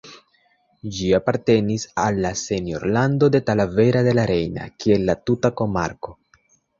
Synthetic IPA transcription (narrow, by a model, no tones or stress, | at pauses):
d͡ʒiapaɾte̞nisalːase̞njo̞̰ɾlando̞de̞talave̞ɾade̞laɾe̞jna̰kie̞lːatutako̞ma̰ɾko̞